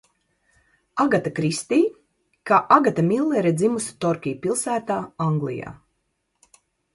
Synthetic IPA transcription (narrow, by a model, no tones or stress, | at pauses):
aɡat̪akɾist̪iː | kaːʔaɡat̪amilˠːɛɾɛd̪zimusi̥t̪ɔɾkʲijpilˠsæːt̪aːãŋɡlˠḭja̰ː